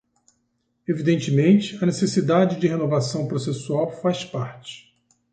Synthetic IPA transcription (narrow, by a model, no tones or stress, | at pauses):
evid̪ẽnt͡ʃɪmẽnt͡ʃɪɐnesesid̪ad͡ʒɪd͡ʒɪɦenovasɐ̃w̃pɾosesuawfaspaɾt͡ʃɪ̥